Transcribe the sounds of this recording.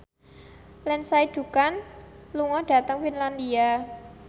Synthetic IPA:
lɛnsaiɖ̥ṳkanluŋɔɖ̥ä̤t̪əŋfinland̪ia

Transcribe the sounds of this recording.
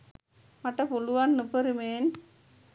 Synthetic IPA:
mɐʈːɐpʊluʋaːnnɯpːɐɾɯmeːn

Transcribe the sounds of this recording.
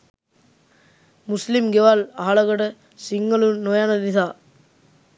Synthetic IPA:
muslimɡeʋalaɦɐɭɐɡəʈə | siŋːəlunojanɐd̪it̪aː

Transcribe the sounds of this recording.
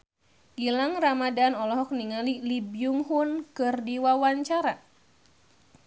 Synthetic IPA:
ɡilaŋramadanɔlɔɦɔk̚niŋalilibjuŋhunkɨrdiwawaɲt͡ʃaɾa

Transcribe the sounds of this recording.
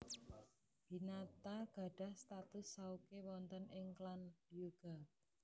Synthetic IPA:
b̥i̤nat̪aɡ̥a̤ɖ̥a̤hst̪at̪ʊsːaukewɔnt̪ənɪŋklanjuɡ̥at̚

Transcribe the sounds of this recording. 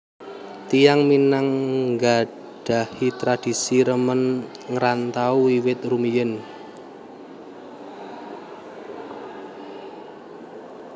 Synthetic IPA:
t̪ijaŋminaŋŋɡa | ɖ̥a̤hit̪ɾad̥i̤siɾəmən | ŋɾant̪auiwɪt̪̚rumijɪn

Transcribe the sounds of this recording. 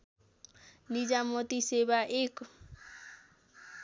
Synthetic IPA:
nid͡ʒamɔt̪isebaʔek

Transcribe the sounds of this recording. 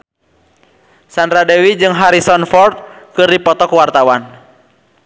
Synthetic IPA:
sandɾadɛwid͡ʒɨŋɦaɾisɔnfɔrt̪̚kɨrdipɔt̪ɔkwart̪awan

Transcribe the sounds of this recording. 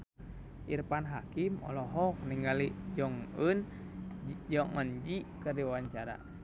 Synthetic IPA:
ʔirpanɦakimɔ̰lɔɦɔk̚niŋɡalid͡ʒɔŋən | d͡ʒɔŋɔnd͡ʒikərdiwaɲt͡ʃaɾa̰

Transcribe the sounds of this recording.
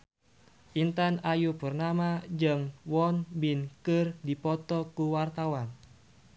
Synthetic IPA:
ʔint̪anajupurnamad͡ʒəŋwɔnbinkɨrdipɔt̪ɔkuwart̪awan

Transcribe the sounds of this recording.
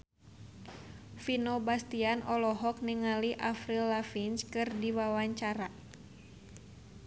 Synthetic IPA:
finobast̪ianɔlɔɦɔk̚niŋaliʔafɾilːafinskɨrdiwawaɲt͡ʃaɾa

